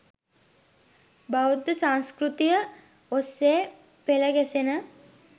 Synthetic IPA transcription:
baud̪əsaŋskɾut̪ijə | osːeː | peləɡɛsenə

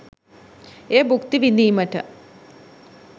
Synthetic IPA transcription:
eːbukt̪iʋinːiːmɐʈːɐ̰

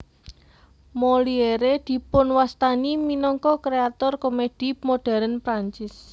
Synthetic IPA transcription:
molieɾed̪̥i̤pʊnwast̪animinɔŋkɔkɾeat̪ɔrkomed̥i̤moɖ̥a̤ɾənpɾaɲt͡ʃɪs

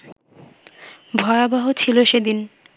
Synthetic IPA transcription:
bʱɔeabaɦot͡ɕʰiloʃed̪in

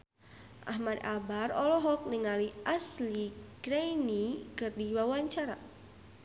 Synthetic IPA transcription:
ʔa̰ɦmad̪abarɔlɔɦɔk̚nɪŋaliʔasliɡɾejnikɨrdiwawaɲt͡ʃaɾa̰

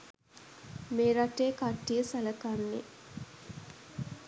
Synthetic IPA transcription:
meːɾaʈeːkaʈːijəsaləkanːḛ

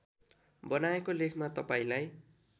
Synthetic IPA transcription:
bʌnaekolekʰmat̪ʌpaĩlaj

